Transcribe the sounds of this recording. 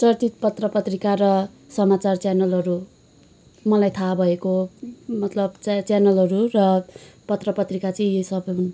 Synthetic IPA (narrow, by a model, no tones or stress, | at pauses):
t͡sʌrt̪it̪̚pʌt̪rʌpʌt̪rikaɾʌ | sʌmat͡sart͡sjanʌlɦʌɾu | mʌlajt̪ʰabʱʌekomʌt̪lʌb̚t͡st͡sjanʌlɦʌɾurʌpʌt̪rʌpʌt̪rikat͡sʌ̃j̃jesʌbʌjɦun